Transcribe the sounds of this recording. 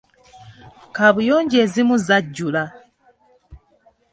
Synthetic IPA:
kaβujo̞ːɲɟe̞ːzimuzaɟːula

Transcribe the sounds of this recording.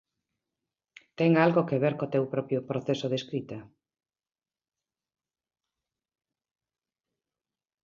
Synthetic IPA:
t̪ɛŋalɣokeβeɾkot̪ewpɾɔpjʊpɾoθesoðeskɾit̪ɐ

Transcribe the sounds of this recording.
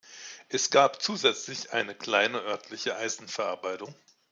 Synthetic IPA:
ʔɛsɡ̥aːpt͡suːzɛt͡slɪçʔa̰ɪnəkl̥aɪnəʔœɐtʰlɪçəʔaɪzn̩fɛɐʔaɐbaɪtʊŋ

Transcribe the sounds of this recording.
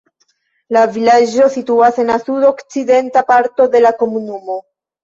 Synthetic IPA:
lavilad͡ʒo̞situase̞nasuɾo̞kt͡side̞ntapaɾto̞de̞lako̞munumo̞

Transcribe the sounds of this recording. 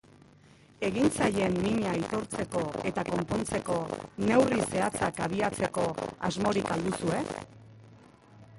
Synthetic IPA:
e̞ɣint͡saje̞mːiɲaːjt̪o̞ɾt͡se̞ko̞e̞t̪ako̞mpo̞nt͡se̞ko̞ne̞wrise̞at͡sakaβiat͡se̞ko̞a̰zmo̞ɾikald̪usue̞

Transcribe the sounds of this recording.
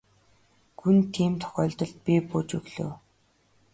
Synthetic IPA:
ɡunt̪ʰiːmt̪ʰɔ̥xʲœːɮt̪ɞ̆ɮt̪̚pʲiːpoːt͡ɕɵɣɮo̰ː

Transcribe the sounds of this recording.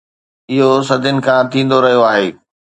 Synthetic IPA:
ɪɦos̬ɐd̪ʱənɪ̆kʰãt̪ʰĩːn̆d̪oɾɐɦijoaːɦeː

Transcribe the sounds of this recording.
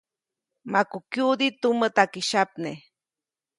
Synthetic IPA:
makukjud̪it̪umət̪akiʃap̚ne

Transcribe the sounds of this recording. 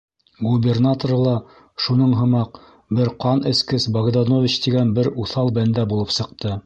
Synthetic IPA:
ɡubʲernat̪orlˠɑ | ʃunɤɴɦɤ̆mɑq | bɘɾqɑnɘ̆skɘsbɐɡd̪ɑnovʲit͡ɕt̪iɡænbɘɾuθɑlˠbænd̪æbulˠɤpsɤ̆q̚t̪ɤ

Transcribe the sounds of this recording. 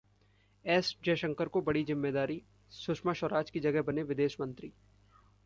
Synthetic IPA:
ɛːsd͡ʒɛːʃə̃ŋkəɾkobɐɽizɪmːeːd̪aːɾi | sʊʃmaʃɔɾaːt͡ʃkid͡ʒɐɡɛɦbɐneʋɪd̪eːʃmɐ̃nt̪ɾiː

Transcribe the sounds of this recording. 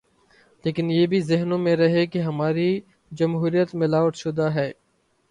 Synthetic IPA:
leːkɪnjeːbʱizɪɦnõmẽɾɐɦekeɦɐmaːɾi | d͡ʒɐmɦuːɾijət̪mɪlaːʋəʈ̪ʃʊd̪aːɦɛː

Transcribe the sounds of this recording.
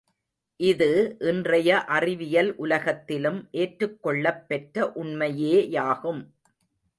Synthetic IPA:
ʔɪðɯʔɪndrɐjɐʔɐrɪʋɪjɐlʔʊlɐɣɐt̪ːɪlɯmʔeːʈrɯkːɔɭːɐpːɛʈrɐʔʊɳmɐjeːjaːɣɯm

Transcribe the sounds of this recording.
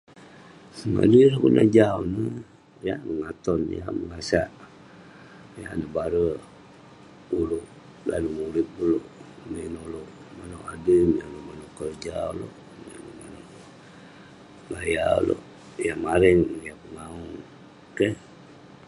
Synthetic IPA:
ma̰dulokuna̰d͡ʒaunə | jaməŋat̪ɔnja̰məŋasaʔ | janəbaɾə | uloʔ | la̰lumuɾɪt̪̚buloʔminoloʔ | manowʔadəmjanomanoʔkərd͡ʒalo̰ʔ | mḭnomano | ʔ | laja̰lo̰ʔ | jamaɾəŋjapəŋauŋ | kə

